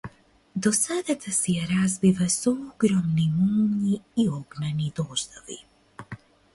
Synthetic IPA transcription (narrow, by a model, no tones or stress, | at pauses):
d̪ɔsad̪at̪asɛjaɾazvivasɔɔɡɾɔmnimumɲiːɔɡnanid̪ɔʒd̪ɔvḭ